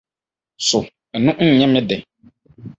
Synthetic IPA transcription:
sʊ˨ | nʊ̃˦n̩˦˨ɲɛ̃˦mɪ̃˦dɛ˨

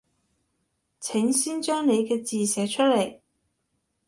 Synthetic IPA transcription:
t͡sʰɪ˨˥ŋsiː˥nt͡ʃœː˥ŋne˨˧jkɛː˧t͡siː˨sɛː˨˧˥t͡ʃʰɵ˥t̚le˨˩j

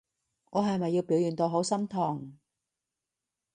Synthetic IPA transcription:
ŋɔː˨˧ɦɐ˨jmɐ˨jːi˧wpiː˨˥wjyː˨˩nt̪o˧wɦo˨˥wsɐ˥mt̪ʰɔː˨˩ŋ

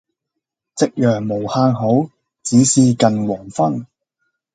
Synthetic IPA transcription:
t͡sɪ˥k̚jœː˨˩ŋmo˨˩whaː˧ŋɦo˨˥w | t͡siː˨˥siː˧kɐ˨nwɔː˨˩ŋfɐ˥ŋ

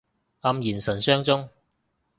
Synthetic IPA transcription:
ɐ˧mjiː˨˩nsɐ˨˩nsœː˥ŋt͡sʊ˥ŋ

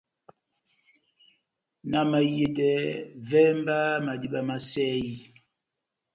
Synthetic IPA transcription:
na˨ma˨je˨dɛ˦vɛ˦m˦ba˦ma˨di˦ɓa˦ma˨sɛ˦ji˦

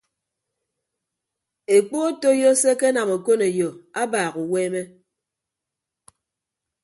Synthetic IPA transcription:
e˨k͡po˦a˦to˦jɔ˦se˦ke˦na˨mo˨ko˦ne˨jo˨a˦baː˨ɣu˨weː˦me˦

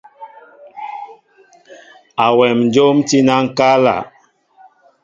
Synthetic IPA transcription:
a˨wɛ˨mn˨d͡ʒo˦mti˦na˦ŋ̩˦ka˦la̰˨

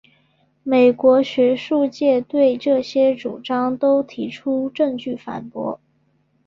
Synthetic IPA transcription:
me˨˩ɪkwɔ˧˥ɕɥɛ˧˥ʂu˥˧t͡ɕjɛ˥˧t̪we˥˧ɪʈ͡ʂɤ˥˩ɕjɛ˥ʈ͡ʂṵ˨˩ʈ͡ʂɑ˥ŋt̪o˥ʊt̪ʰi˧˥ʈ͡ʂʰu˥ʈ͡ʂɤ˥˧ŋt͡ɕy˥˩fa̰˨˩npwɔ̰˧˥

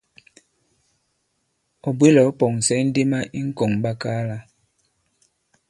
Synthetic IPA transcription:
ɔ˨bwe˦lɔ˨˦pɔ˨ŋ˨sɛ˦n̩˦de˦ma˦ʔi˦ŋ̩˦kɔ˨ŋba˦kaː˦la˦

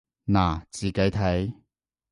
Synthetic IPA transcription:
naː˨˩t͡siː˨˩ke˨˥jt̪ʰɐ˨˥j

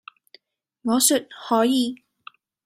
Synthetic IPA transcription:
ŋɔː˨˧sy˨t̚hɔː˨˥jiː˧

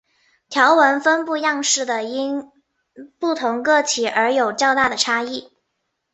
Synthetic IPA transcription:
t̪ʰjɑ˧˥ʊwə˧˥nfə˥npu˥˧jɑ˥˧ŋʂɻ̩˥˩d̪ə˩i˥n | pu˥˩t̪ʰʊ˧˥ŋkɤ˥˩t͡ɕʰi˨˩ʔə˞˧˥jo˨˩ʊt͡ɕjɑ˥˧ʊt̪a˥˩d̪ə˩ʈ͡ʂʰa˥i˥˩

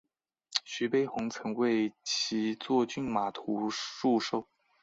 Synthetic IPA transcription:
ɕy˧˥pe˥ɪxʊ˧˥ŋt͡sʰɤ˧˥ŋwe˥˩ɪt͡ɕʰi˧˥t͡swɔ˥˧t͡ɕy˥˩nma˨˩t̪ʰu˧˥ʂu˥˧ʂo˥˩ʊ

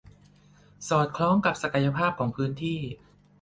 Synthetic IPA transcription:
sɔː˨˩t̪̚kʰlɔː˦˥ŋka˨˩p̚sa˧ka˧ja˧pʰaː˥˩p̚kʰɔː˩˦ŋpʰɯː˦˥nt̪ʰiː˥˩

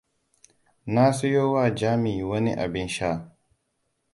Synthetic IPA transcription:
na˦sʊ˦joː˦wa˦˨d͡ʒaː˦mi˨wɐ˦nḭ˦ʔa̰˨bɪ˦nʃaː˦˨

